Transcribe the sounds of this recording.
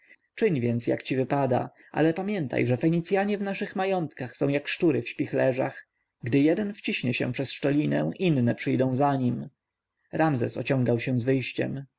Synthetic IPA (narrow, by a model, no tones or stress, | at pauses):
t͡ʂɘɲvʲjɛnt̪sja̰kt͡ɕivɘpad̪a̰ | ʔa̰lɛpamʲjɛnt̪a̰jʐɛfɛɲit̪sʲjaɲɛvnaʂɘxmajɔnt̪kaxsɔ̃w̃jakʂtuɾɘfɕpʲixlɛʐa̰x | ɡd̪ɘjɛd̪ɛnft͡ɕiɕɲɛɕɛ̰̃pʂɛsʂtɔlʲinɛw̃ʔinːɛpʂɘjd̪ɔ̃w̃zaɲim | ɾamzɛ̰sɔ̰t͡ɕɔ̃ŋɡawɕɛzvɘjɕt͡ɕɛ̰m